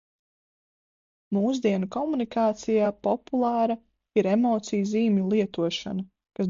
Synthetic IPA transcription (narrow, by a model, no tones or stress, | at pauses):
muːsd̪iɛnukɔmunikaːt̪sijaːpɔpulˠaːɾɐ | iɾemɔːt̪sijziːmʲulˠiɛt̪uɔʃa̰nɐ | kas